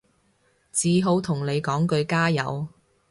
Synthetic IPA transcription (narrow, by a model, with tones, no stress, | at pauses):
t͡siː˨ɦo˨˧wt̪ʰʊ˨˩ŋle˨˧jkɔː˨˥ŋkɵ˧ɥkaː˥jɐ̰˨˧w